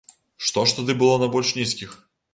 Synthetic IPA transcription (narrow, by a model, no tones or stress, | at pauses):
ʂt̪ɔʂt̪ɐd̪ɨbɨlˠɔnɐbɔlʲʂnʲiskʲix